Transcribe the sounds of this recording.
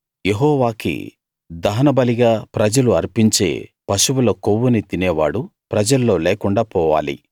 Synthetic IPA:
jeɦɔːʋaːkḭ | d̪ɐːnɐbɐliɡaːpɾɐd͡ʒɐluɐɾpiɲt͡ʃe̞̰ːpɐʃuwulɐkowːunit̪inɛːʋa̰ːɽupɾɐd͡ʒɐlːo̞ːleːkuɳɖaːpɔːʋa̰ːlḭ

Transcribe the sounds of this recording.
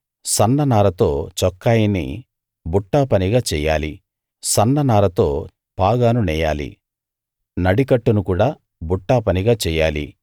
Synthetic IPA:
sɐnːɐnaːɾɐt̪o̞ːt͡ʃɔkːaːjinḭ | buʈːaːpɐniɡaːt͡ʃɛːja̰ːlḭ | sɐnːɐnaːɾɐt̪o̞ː | paːɡaːnunɛːja̰ːlḭ | nɐɽikɐʈːunukuːɽaː | buʈːaːpɐniɡaːt͡ʃɛːjaːlḭ

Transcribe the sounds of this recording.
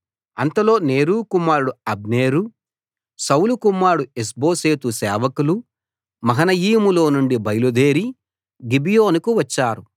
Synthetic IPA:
ɐnt̪ɐlo̞ːneːɾuːkumːaːɾɽuɐbneːɾu | sɐwlukumːaːɾɽues̬bo̞ːseːt̪usɛːʋɐkulu | mɐɦɐnɐjiːmulo̞ːnuɳɖibɐjɐlud̪eːɾi | ɡibijoːnukuʋɐt͡ʃːaːɾu

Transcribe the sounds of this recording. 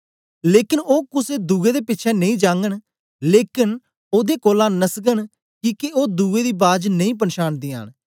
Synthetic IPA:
leːkɪnoːkʊseːd̪uːeːd̪eːpɪtːʃʰɛːnəĩːd͡ʒãːŋɡəɳ | leːkɪn | oːd̪eːkoːlãːnəskəɳ | kiːkeoːd̪uːeːd̪iːbaːd͡ʒnəĩːp̬ənʃaːnd̪iːa̰ːn

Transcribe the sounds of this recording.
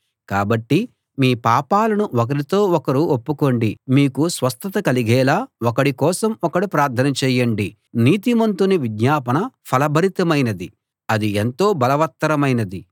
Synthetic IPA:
kaːbɐʈːi | miːpaːpaːlɐnuʔɔk̬ɐɾit̪o̞ːɔkɐɾuopːuko̞ɳɖimiːkusʋɐst̪ɐt̪ɐkɐliɡɛːlaːokɐɽikɔːsɐmɔkɐɽupɾaːɾt̪ʰːɐnɐt͡ʃɛːjɐɳɖi | niːt̪imɐnt̪uniʋid̪ɲaːpɐɳɐpʰɐlɐbʱɐɾit̪ɐmɐjnɐd̪i | ɐd̪ient̪o̞ːbɐlɐʋɐt̪ːɐɾɐmɐjnɐd̪i

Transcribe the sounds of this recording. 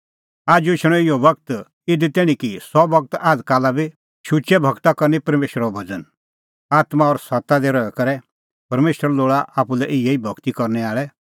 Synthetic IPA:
aːd͡ʒuɪʃɽ̃ɔ̃ɪjɔbɐkt̪ | ɪd̪it̪ɛɽ̃ĩkisɔbɐk̚t̪aːd̪kaːlabi | ʃʊt͡ʃɛbʱɐɡt̪akɔɾnipɐɾmeːʃɾɔbʱɐd͡zən | aːt̪maɔɾsɐt̪ad̪ɛɾɔɛkɐɾɛ | pɐɾmeːʃəɾloːɭaʔaːpulɛʔɪjeibʱɐɡt̪ikɔɾnɛaːɭɛ

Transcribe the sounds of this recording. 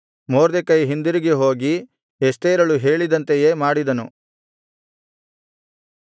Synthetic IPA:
moːɾd̪ekɐjɦind̪iɾiɡeɦo̞ːɡi | est̪eːɾɐɭuɦe̞ːɭid̪ɐnt̪ejemaːɽid̪ɐnu

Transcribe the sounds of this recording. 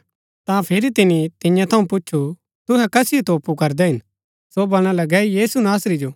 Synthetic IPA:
t̪ãpʰɪɾit̪ɪnit̪ɪ̃jãt̪ʰɐũpʊːʃʰu | t̪ʊɦɛkɐsɪot̪oːpukɐɾd̪ɛɦɪn | sobɐɽ̃alɐɡɛjiːsunaːsɾid͡ʒoː

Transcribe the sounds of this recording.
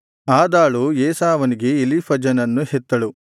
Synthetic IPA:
aːd̪aːɭujeːsaːʋɐniɡe̞ːlipʰɐd͡ʒɐnɐnːuhet̪ːɐɭu

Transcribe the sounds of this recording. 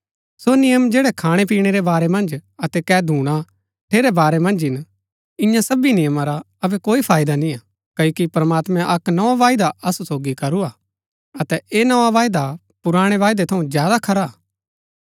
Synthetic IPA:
sonɪjəmd͡ʒeːɽɛkʰaːɽ̃ep̬iːɽ̃eɾebaːɾɛmɐ̃nd͡ʒɐt̪ɛkɛːd̪ʱuːɽ̃a | ʈʰeːɾɛbaːɾɛmɐ̃nd͡ʒɪn | ɪ̃jãsɐbinɪjəmaɾa | ɐbɛkoːipʰaːɪd̪anĩa | kɐjokipɾɐmaːt̪mɛ̃ʔɐknɐʋaʋaːɪd̪aʔɐsusoːɡikɐɾuaː | ɐt̪ɛʔeːnɐʋaʋaːjd̪a | pʊɾaːɽ̃eʋaːɪd̪et̪ʰɐũzjaːd̪akʰɐɾa

